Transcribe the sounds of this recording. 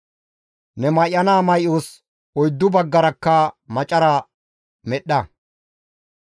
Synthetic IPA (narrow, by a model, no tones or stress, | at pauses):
nɛmɐjːɐnaːmɐjʔoːs | ɔjd̪ːʊbɐɡːɐɾɐkːɐmɐt͡ʃʼɐɾɐ | mɛɗːɐ